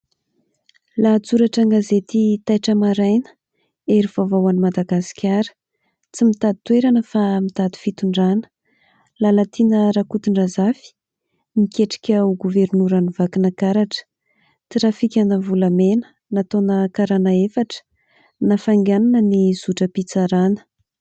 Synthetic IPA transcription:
lat͡suɾaʈ͡ʂaŋɡazet̪it̪ajʈ͡ʂəmaɾajnə̥ | eɾiv̥avawanimad̪aɡasi̥kʲʰaɾə̥ | t͡simit̪ad̪it̪weɾanəfamit̪ad̪i̥fit̪uɳɖ͡ʐanə̥ | lalat̪ʰinəɾakut̪iɳɖ͡ʐazafi̥ | mikʲeʈ͡ʂi̥kʲauɡuvernuɾanivakinakaɾaʈ͡ʂə̥ | t͡siɾafikʲanəvulamenə̥ | nat̪onəkaɾanaefaʈ͡ʂə̥ | nafaŋɡʲananəniz̥uʈ͡ʂəpit͡saɾanə̥

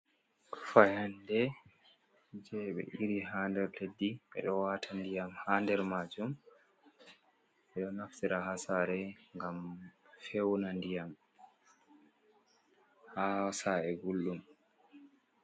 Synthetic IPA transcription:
kfajandɛ | d͡ʒɛɓɛ̰ʔiɾiɦaːndɛɾledːiɓɛ̰ɗɔwatʰandijamhaːndɛɾmad͡ʒum | ɓɛɗɔnaftiɾaɦasaːɾɛŋɡamfewnandijam | hasaɛɡulːum

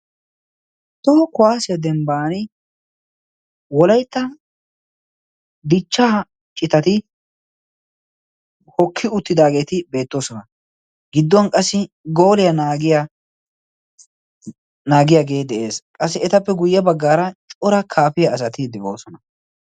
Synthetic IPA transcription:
t̪ɔɔkʊwaːsɪjɐd̪ɛmbaːnɪ | wɔlɐjt̪ːɐ | d̪ɪt͡ʃːaː | t͡ʃʼːɪt̪ɐt̪ɪ | hɔkʰːɪʊt̪ːɪd̪aːɡe̞ːt̪ɪbe̞ːt̪ːoːsɔnɐ | ɡɪd̪ːɔnkʼɐsːɪ | ɡoːlɪjɐnaːɡɪja | naːɡɪjaɡe̞ːd̪ɛʔe̞ːskʼɐs̬ːɪɛt̪ɐpːɛɡʊjːɐbɐɡːaːɾɐt͡ʃʼɔɾɐkʰaːfɪjɐːs̬ɐt̪ɪd̪ɛo̰ːsɔnɐ

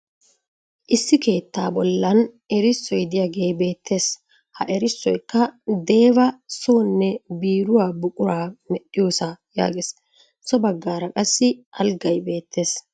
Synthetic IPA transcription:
ʔɪsːɪke̞ːt̪ːaːbɔlːɐn | ɛɾɪsːɔjd̪ɪjaːɡe̞ːbe̞ːt̪ʰːe̞ːs | hɐ̰ʔɛɾɪsːɔjkːɐd̪e̞ːbɐsoːnːɛbiːɾʊwaːbʊkʼʊɾaːmɛɗɪjoːsaja̰ːɡeːs | sɔbɐɡːaːɾɐkʼɐsːɪʔɐlɡɐjbe̞ːt̪ʰːe̞ːs

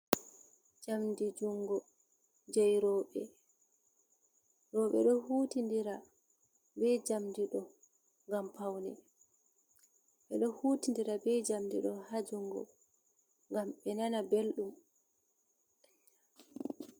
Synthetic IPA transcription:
d͡ʒamdid͡ʒuŋɡɔ | d͡ʒɛjɾɔːɓɛ | ɾɔɓɛ̰ɗɔhuːtindiɾa | bɛd͡ʒamdiɗɔ | ŋɡampawnɛ | ɓɛɗɔhuːtindiɾabɛd͡ʒamdḭɗɔhad͡ʒuŋɡɔ̰ | ŋɡamɓɛnanabelɗum

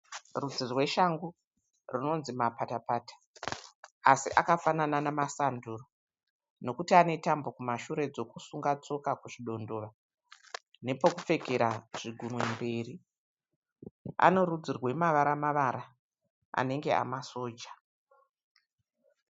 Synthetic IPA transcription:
rud͡zirwe̞ʃaŋɡu | rino̞nzimapatapaːtḁ | asiʔakafanananamasanduːro | no̞kutiane̞tambo̞kumaʃuɾe̞d͡zo̞kusuŋɡat͡so̞kakuʐiɗo̞ndo̞ːʋa | ne̞pokup͡fe̞keɾaʐ̥iɡʱunwe̞mbe̞ːri | a̰no̞ɾud͡zirwe̞maʋaɾamaʋaɾa | a̰ne̞ŋɡe̞a̰maso̞ːd͡ʒa

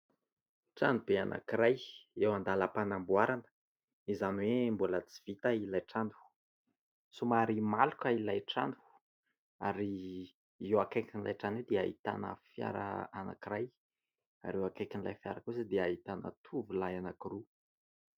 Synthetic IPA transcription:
ʈ͡ʂand̪ub̥ea̰nʔa̰kiɾajewand̪alapanambuaɾanə̥ | izanwembulət͡si̥v̥it̪ailajʈ͡ʂanu̥ | sumaɾimalukailajʈ͡ʂa̰nd̪u̥ | aɾi | ewakakinila̰jʈ͡ʂaned̪ea̰ɦḭt̪a̰nə̰fja̰ɾə̰ana̰kiɾaj | a̰ɾewakakinla̰jfja̰ɾəkusəd̪eaɦit̪anə̰t̪ʰuvulajanakiru

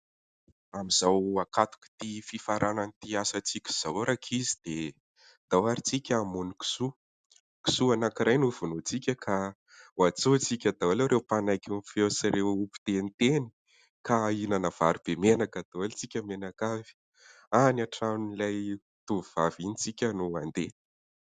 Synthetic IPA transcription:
amiz̥awakat̪u̥ki̥t̪ififaɾʔananit̪iasat͡sikʲi̥z̥awɾakʰizid̪̥e | d̪̥awaɾit͡sikʲamuniki̥su | ki̥suanakiɾʔajnuvunut͡sikʲəkʰa | wat͡sot͡sikʲad̪̥awalewɾewpanajkʲunifewsiɾewupi̥t̪enit̪eni̥ | kainanəv̥aɾub̥emenakad̪̥awelt͡sikʲəmenakavi̥ | anaʈ͡ʂanilaj | t̪uvuv̥avinit͡sikʲənuand̪e

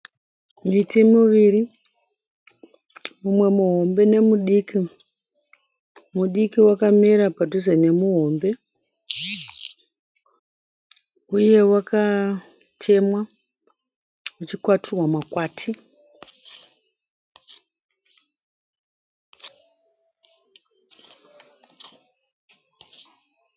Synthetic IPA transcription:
mitimuʋiri | mumwe̞muɦo̞mbe̞ne̞muɗiki | muɗikiwakamiɾapadʱuzene̞muɦo̞mbe̞ | uje̞waka | tʰe̞mwa | ut͡ʃikwatʰuwamakwaːtʰi

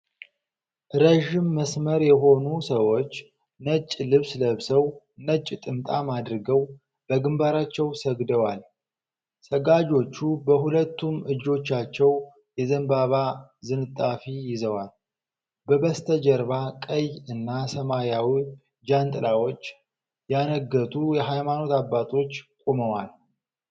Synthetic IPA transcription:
ʔɾəʒɪmːəsməɾjɛɦo̞nusəwo̞t͡ʃː | nət͡ʃʼːlɨβsləβsəw | nət͡ʃʼːt̪ʼɨmt̪ʼamad̪ɾɨɡəw | b̥əɡɨmbaɾat͡ʃːɛwsəɡd̪əwal | səɡad͡ʒo̞t͡ʃːubəhulət̪ʰːumɨd͡ʒːo̞t͡ʃːat͡ʃːɛw | jɛzəmbaβazɨnɨt̪ʼːafijɪzəwal | bəbəst̪ʰəd͡ʒəɾβakʼəjɨnːasəmaɾjawi | d͡ʒant̪ʼɨlawo̞t͡ʃː | janəɡːət̪ʰʼujɛɦajmano̞t̪abːat̪ʰʼo̞t͡ʃːkʷʼuməwal

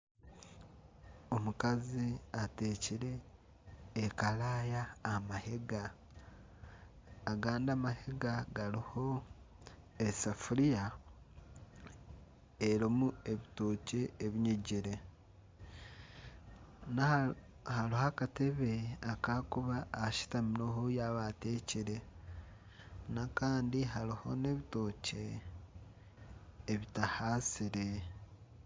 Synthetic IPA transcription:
o̞mukaziate̞ːciɾe̞ː | kalaːjaːmahe̞ɡa | ɡaːndaːmahe̞ɡaɡaliho̞ | esafuɾija | eɾomue̞βitoːce̞ːβiɲiɟiɾe̞ | na | halihakate̞βeakakuβaːʃi̥taminohujaβate̞ciɾe̞ | nakaːndiɦaliho̞ne̞βito̞ce̞ | βitahasiɾe̞

